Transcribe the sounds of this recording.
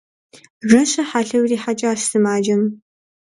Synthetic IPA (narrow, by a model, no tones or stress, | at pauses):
rɐɕɐħaɬɐwriːħat͡ʃʼaːɕsɨmaːd͡ʒɐm